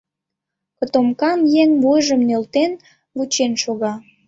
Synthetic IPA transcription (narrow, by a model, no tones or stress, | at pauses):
kə̆t̪omkɑnjeŋvujʒəmnølt̪en | βut͡ɕenʃoɣɑ